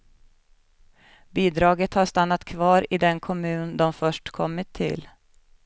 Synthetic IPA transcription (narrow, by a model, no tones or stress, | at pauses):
biːd̪ɾɑːɡət̪haʂt̪anːat̪kʰvɑːɾɪd̪ɛnkʰɔmʉ̟ːnd̪ɔmfœʂʈkʰɔmːɪt̪ʰːɪ̰l